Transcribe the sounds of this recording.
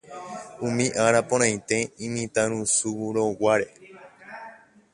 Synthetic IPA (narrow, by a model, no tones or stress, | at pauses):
ũmĩʔaɾapõɾ̃ãj̃t̪e̞ĩmĩt̪ãɾ̃ũsuuɾowaɾe̞